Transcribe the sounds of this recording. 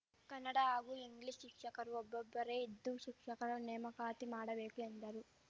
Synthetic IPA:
kɐnːɐɽaaːɡuiŋɡliʃʃikʂɐkɐɾuɔbːɐbːɐɾeid̪ːuʃikʂɐkɐɾɐnɛːmɐkaːt̪imaːɽɐʋeːkuend̪ɐɾu

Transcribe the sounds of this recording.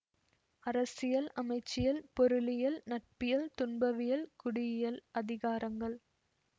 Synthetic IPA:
ɐɾɐsɪjɐlʔɐmɐɪt͡ʃːɪjɐlpɔɾɯlɪjɐlnɐʈ̚pɪjɐlt̪ʊnbɐʋɪjɐlkʊɽɪjɪjɐlɐðɪɣaːɾɐŋɡɐɭ

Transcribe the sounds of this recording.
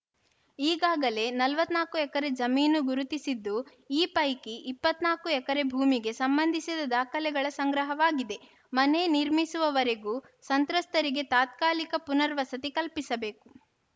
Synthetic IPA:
iːɡaːɡɐle̞nɐlʋɐt̪ːnaːkuɛkɐɾe̞d͡ʒɐmiːnuɡuɾut̪isid̪ːu | iːpɐjkiʔipːɐt̪naːkuɛkɐɾe̞bʱuːmiɡe̞sɐmbɐnd̪ʱisid̪ɐd̪aːkʰɐlɛɡɐɭɐsɐŋɡɾɐɦɐʋaːɡid̪e̞ | mɐneniɾmisuʋɐʋɐɾe̞ɡuː | sɐnt̪ɾɐst̪ɐɾiɡe̞t̪aːt̪̚kaːlikɐpunɐɾʋɐsɐt̪ikɐlpisɐbe̞ːku

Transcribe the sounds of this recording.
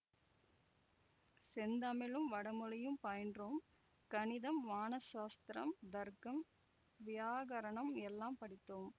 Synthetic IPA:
sɛnd̪ɐmɪlɯmʋɐɽɐmɯlɐjɯmpɐjɐndroːm | kɐnɪðɐmʋaːnɐʃaːst̪ɾɐ̰md̪ɐɾkːɐm | ʋɪjaːɣɐɾɐɳɐmɛlːaːmpɐɽɪt̪ːoːm

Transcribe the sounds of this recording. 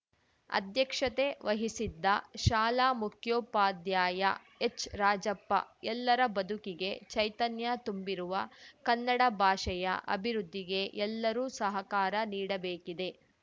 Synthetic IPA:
ɐ̰d̪jɐkʂɐt̪e̞ʋɐɦisid̪ːɐʃaːlaːmukʰjoːpaːd̪jaːjɐ̰ | et͡ʃɾaːd͡ʒɐpːɐ̰ɛlːɐɾɐbɐd̪ukiɡe̞t͡ʃɐjt̪ɐnjat̪umbiɾuʋɐkɐnːɐɽɐbʱaːʃɐjɐ̰ʔɐ̰bʱiɾud̪ːiɡe̞ʔɛlːɐɾuːsɐɦɐkaːɾɐniːɽɐbeːkid̪e̞

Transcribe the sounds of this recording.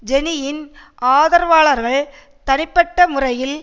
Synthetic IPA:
d͡ʒɛnɪjɪnʔaːðɐɾʋaːɭɐɾɣɐɭ | t̪ɐnɪpːɐʈːɐmʊrɐjɪl

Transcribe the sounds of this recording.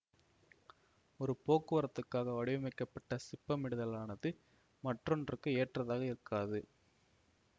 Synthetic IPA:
ɔɾɯpoːkːɯʋɐɾɐt̪ːɯkːaːɣɐʋɐɽɪʋɐmɐɪkːɐpːɐʈːɐsɪpːɐmɪɽɯðɐlaːnɐðɯ | mɐʈrɔndrɯkːɯeːʈrɐðaːɣɐɪɾɯkːaːðɯ

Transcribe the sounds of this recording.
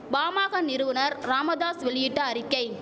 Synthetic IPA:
baːmaːɣɐnɪɾɯʋɯnɐɾɾaːmɐðaːsʋɛɭɪjɪʈːɐɐɾɪkːɐɪ

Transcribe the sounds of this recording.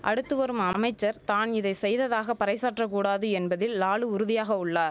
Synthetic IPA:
ʔɐ̰ɽɯt̪ːɯʋɐɾɯmɐmɐɪt͡ʃːɐɾt̪aːnɪðɐɪsɛjðɐðaːɣɐpɐɾɐɪsaːʈrɐk̬ːuːɽaːðɯɛnbɐðɪlːaːɭɯʊɾɯðɪjaːɣɐʊɭːaː

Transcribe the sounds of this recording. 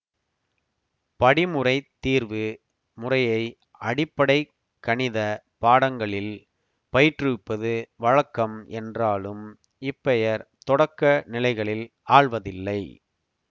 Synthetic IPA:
pɐɽɪmɯrɐɪt̪ːiːɾʋɯ | mʊrɐjɐɪ | ʔɐɽɪpːɐɽɐɪ | kːɐɳɪðɐ | paːɽɐŋɡɐɭɪl | pɐjɪʈrɯpːɐðɯʋɐɻɐkːɐmʔɛndraːlɯm | ɪpːɛjɐɾt̪ɔɽɐkːɐnɪlɐɪɣɐɭɪl | aːɭʋɐðɪlːɐɪ

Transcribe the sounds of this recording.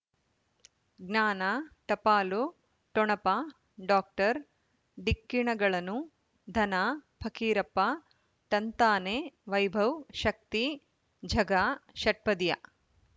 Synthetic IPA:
ɡnaːnaʈɐpaːlu | ʈɔɳɐpa | ɖaːk̚ʈɐɾ | ɖikːiɳɐɡɐɭɐnu | d̪ʱɐnaːpʰɐkiːɾɐpːa | ʈɐnt̪aːneːʋɐjbʱɐwʃɐk̚t̪i | d͡ʒʱɐɡaːʃɐʈ̚pɐd̪ijɐ̰

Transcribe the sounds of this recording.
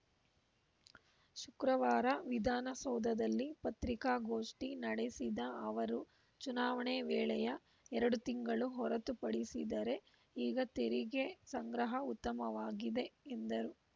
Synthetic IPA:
ʃukɾɐʋaːɾɐʋid̪ʱaːnɐsɔːd̪ɐd̪ɐlːipɐt̪ɾikaːɡoːʂʈinɐɽesid̪ɐɐʋɐɾu | t͡ʃunaːʋɐɳeʋɛːɭɛjɐ | ɛɾɐɽut̪iŋɡɐɭuɦɔɾɐt̪upɐɽisid̪ɐɾe̞ | iːɡɐt̪eɾiɡesɐŋɡɾɐɦɐut̪ːɐmɐʋaːɡid̪e̞end̪ɐɾu

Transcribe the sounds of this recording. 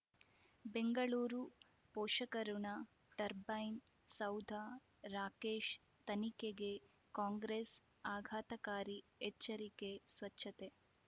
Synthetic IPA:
beŋɡɐɭuːɾu | pɔːʃɐkɐɾuɳɐ | ʈɐɾbɐjn | sɐwd̪ʱa | ɾaːkeːʃ | t̪ɐnikeɡe | kaːŋɡɾes | aːɡʱaːt̪ɐkaːɾiɛt͡ʃːɐɾikesʋɐtːʃʰːɐt̪e

